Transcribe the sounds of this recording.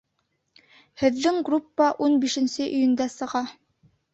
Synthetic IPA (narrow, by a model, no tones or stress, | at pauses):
hɘ̆ðːɘŋɡrupːaʔunbiʃɘ̆nsɘʔɵ̆jɵ̆nd̪æsɤ̆ʁɑ